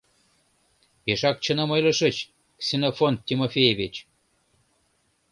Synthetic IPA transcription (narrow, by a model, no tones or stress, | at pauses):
peʃɑk̚t͡ɕə̆nə̆mɤjlɤ̆ʃə̆t͡ɕ | ksʲenofont̪tʲːimofʲejevʲit͡ɕ